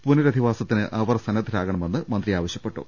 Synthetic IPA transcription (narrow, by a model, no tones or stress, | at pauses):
punɐɾɐd̪ʱiʋaːsɐt̪ːinɨʔʔɐʋɐrsɐnɐd̪ʱɐɾaːɣɐɳɐme̞nːɨmɐnd̪riaːʋɐɕjɐpːe̞ʈːṵ